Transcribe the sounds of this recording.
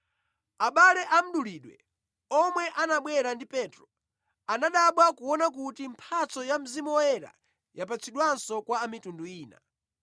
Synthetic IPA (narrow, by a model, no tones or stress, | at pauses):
aɓalɛʔam̩ɗuliːɗwɛ̰ | ɔmwɛʔanaɓwɛɾandipɛtɾɔ | anaɗaɓwakuwɔnak̬utim̩pʰat͡sɔjam̩zimɔɛɾa̰ | jap̬at͡sʰiɗwansɔkwaːmitunduiːna̰